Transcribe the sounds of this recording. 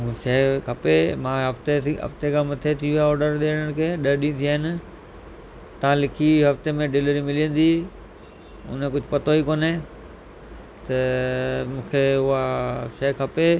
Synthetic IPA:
ʃɐɦkʰɐpemãɦɐft̪eiɦɐ̰ft̪ekʰãːmɐt̪ʰet̪ʰiʋijaɔːɾɖəɾɗeːɽəɽ̃kʰeːɗɐɾɗĩt̪ʰijaːɦɪnɪ̆ | t̪ɐãlɪkʰiɦɐft̪emẽɖɪləɾimɪlijə̃nd̪i | ʊ̰ñkʊd͡ʑʱʊpɐt̪oikoːne | t̪ɐmũːkʰeʊɦaʃɐɦkʰɐpe

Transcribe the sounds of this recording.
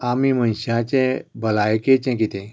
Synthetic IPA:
amimənɕat͡ɕɛ̃bəlajket͡ɕɛ̃kit̪ɛ̃

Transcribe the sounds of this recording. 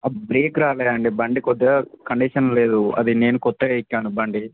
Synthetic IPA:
ɐbɾeːkɾaːleːjɐɳɖibɐɳɖikɔd̪ːɐkɐɳɖiʂɐnle̞ːd̪uɐ̰d̪ine̞ːnukɔt̪ːɐɐikːaːnubɐɳɖi

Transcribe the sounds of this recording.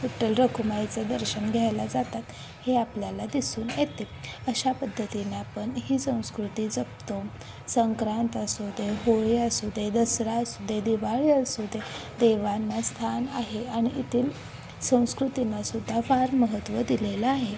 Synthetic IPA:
iʈːelɾəkʰumajt͡sad̪əɾɕənɡʱajlad͡zat̪at̪ | heapljalad̪isuːnjet̪e | əɕapəd̪ʱːət̪inaːpəɳɦiːsə̃w̃skɾut̪iːd͡zəpt̪om | səŋkɾãnt̪əsod̪ʱeɦoɭiəsud̪ʱed̪əsɾaəsud̪ʱed̪iʋaɭiəsod̪ed̪eʋanːast̪ʰanaɦeaɽ̃iʔit̪ʰiːl | sə̃w̃skɾut̪inasud̪ʱːafaɾməɦət̪ʋəd̪ilelaːɦe

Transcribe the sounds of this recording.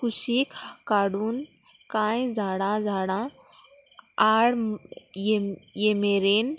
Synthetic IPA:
kusikkaɽun | kãjd͡zʱaːɽãd͡zʱaɽã | aɽ | jemeɾen

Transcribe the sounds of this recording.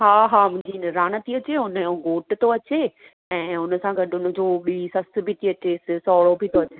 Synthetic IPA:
ɦaːɦaːmʊ̃ɦɪ̃ɲd͡ʑinɾaːñət̪iɐt͡ɕeʊnəoɡoːʈt̪ʰoɐt͡ɕe | ɛ̃ːʊnsãɡʱɐɗɪʊnə̆d͡ʑoːɓiisɐs̆bʱiʈiɐt͡ɕeːssɔːɭobʱit̪ʰoɐt͡ɕe

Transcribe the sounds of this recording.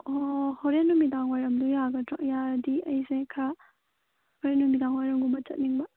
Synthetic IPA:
ohoɾenumidaŋwajɾɐmdujaɡɐtak̚jaɾdiɐjzekʰa | hoɾenumidaŋwajɾɐmɡumbɐt͡ʃɐ̰t̚niŋbɐ

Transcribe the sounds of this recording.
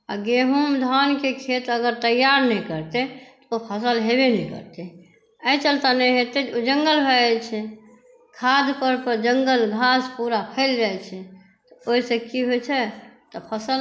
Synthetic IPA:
aɡeɦumd̪ʱankekʰet̪əɡəɾt̪əjːaɾnɛkəɾt̪et̪ɔ̥opʰəsəlɦebenɛ̃ikə̰ɾt̪e | əjt͡ʃəlt̪anɛɦet̪eod͡ʒə̃ŋɡəlbʱɛlt͡ʃʰɛ | kʰad̪pəɾpəɾd͡ʒəŋɡəlɡʱaspuɾapʰɛld͡ʒalt͡ʃʰɛ | t̪ɔoisə̃kiɦot͡ʃʰɛt̪ɔpʰəsəl

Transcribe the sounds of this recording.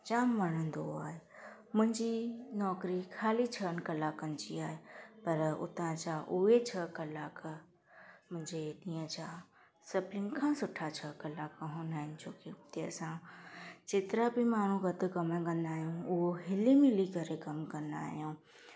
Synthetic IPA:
t͡ɕaːmʋɐɽ̤ə̃nd̪oa̰ːɦemʊ̃ɦɪ̃ɲd͡ʑinɔːkɾikʰaːlit͡ɕʰənkɐlaːkənt͡ɕiaːɦepɐɾʊ̰t̪ãt͡ɕaʔʊet͡ɕʰɐkɐlaːk | mʊ̃ɦɪ̃ɲd͡ʑeɗĩːə̃t͡ɕʰa | sɐplɪn̆kʰãsʊʈʰat͡ɕʰɐkɐlaːkɦõːnaːɦɪnɪ̆d͡ʑoːkeʊt̪eɐ̰sãt͡ɕeːt̪ɪɾabimaːɳ̤ũɡɐt̪̆kɐməkɐ̃nd̪aːɦijũʊɦoɦɪlimɪlikɐɾekɐmkɐ̃nd̪a̰ːɦijũː

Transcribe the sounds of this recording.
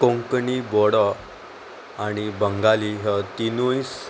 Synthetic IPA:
kõŋknibɔɽɔ | añibəŋɡaliɦət̪inujs

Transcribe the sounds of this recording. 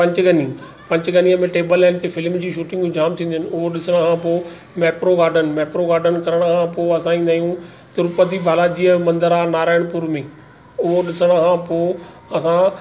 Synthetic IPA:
pɐ̃ɲt͡ɕɡʱɐni | pɐ̃ɲt͡ɕɡɐniəmẽʈeːbəlːɛːɪnt̪efɪlmd͡ʑiːʃuːʈɪ̃ŋɡd͡ʑũːd͡ʑaːmt̪ʰĩːnd̪ənɪ̆ʊɦoɗɪsəɽ̃kʰãpoː | mɛːpɾoɡaːɾɖənmɛːpɾoɡaːɾɖənkɐɾəɽ̃kʰãpoːɐsãĩːnd̪aːijũ | t̪ʊɾʊpəd̪ibʱaːlaːd͡ʑiːəmɐ̃nd̪əɾaːnaːɾaːɪɽ̃pʊɾmẽː | ʊɦoɗɪsəɽ̃əkʰãpoː | ɐsã

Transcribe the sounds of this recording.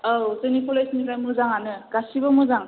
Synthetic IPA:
awsenipʰɔlajsnikajmuzaŋanɯɡ̥asibɯmɯzaŋ

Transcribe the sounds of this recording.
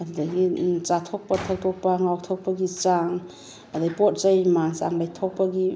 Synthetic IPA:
addaɡit͡ʃatʰɔk̚patʰak̚tʰɔk̚paŋawtʰɔk̚paɡit͡ʃaŋ | adajpot̚zajmaŋsa̰ŋlajtʰɔk̚paɡi

